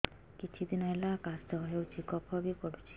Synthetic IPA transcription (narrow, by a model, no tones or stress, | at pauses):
kit͡ʃʰid̪inɔjlakasd̪ɔɦewd͡ʒikɔpʰɔbipɔɽut͡ʃʰi̥